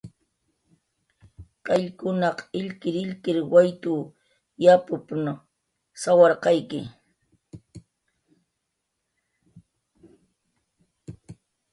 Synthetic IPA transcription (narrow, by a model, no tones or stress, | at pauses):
qɑʎkʊnɑqɪʎkɪɾɪʎkɪɾwajt̪ʊ | japʊpn | sawɑɾqɑjkɪ